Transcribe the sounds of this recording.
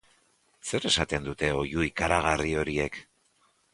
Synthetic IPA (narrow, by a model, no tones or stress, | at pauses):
se̞ɾe̞sat̪e̞nd̪ut̪e̞o̞juikaɾaɣ̞ario̞ɾie̞k